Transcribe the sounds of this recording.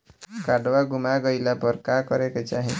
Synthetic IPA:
kaɖwaɡumaɡɔjlapɔɾkakɔɾeket͡ʃaɦĩ

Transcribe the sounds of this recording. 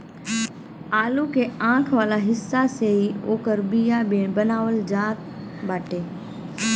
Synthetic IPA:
aːlukʰeːãːkʰʋaːlaɦɪsːaseiːoːkəɾbijabeːɳ̃bɐnaːʋəld͡ʑaːt̪̚ | ɓaːʈeː

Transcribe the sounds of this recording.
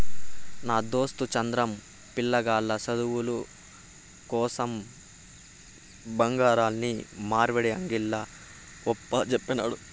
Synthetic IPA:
naːd̪o̞ːst̪ut͡ʃɐnd̪ɾɐm | pilːɐɡaːlːɐsɐd̪uwulu | kɔːsɐm | bɐŋɡaːɾaːlnimaːɾʋɐɽeɐŋɡilːɐ | ɔpːɐt͡ʃɛpːɐna̰ːɽu

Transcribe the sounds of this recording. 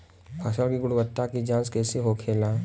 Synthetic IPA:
pʰɐʃəkiɡʊɽbət̪ːakid͡ʒãːskɛːseɦokʰeːlaː

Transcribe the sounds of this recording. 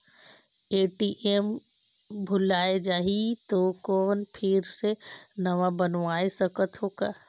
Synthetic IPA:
eːʈiʔem | bʱʊlaːed͡ʒaːɦit̪okɔːnpʰɪɾsenəʋabənʋaːesəkət̪ɦoːkaː

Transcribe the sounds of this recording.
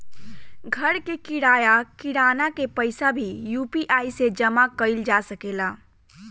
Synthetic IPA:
ɡʱəɾkekiɽajakiɽanakepəɪsabʱijupiʔaised͡ʒəmakəɪld͡ʒasəkela

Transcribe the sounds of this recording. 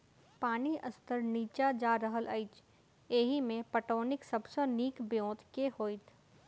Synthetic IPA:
paːniəst̪əɾniːt͡ʃad͡ʒaːɾəɦəlʔɐɪt͡ʃ | eːɦimẽpəʈoːnɪksɐbseniːkbjõːt̪kehoːɪt̪ʰ

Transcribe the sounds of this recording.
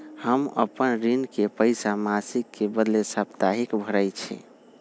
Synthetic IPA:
həmə̰pənɾinkepəɪsamasikːebəd̪lesabt̪aɦikbʱəɾəjt͡ʃʰḭ

